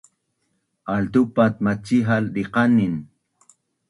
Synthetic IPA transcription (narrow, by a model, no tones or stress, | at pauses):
ald̪upat̪̚mat͡ʃiɦalɾiqanɪn